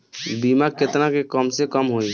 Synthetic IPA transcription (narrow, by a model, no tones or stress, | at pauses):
bimaket̪nakekəmsekəmɦoi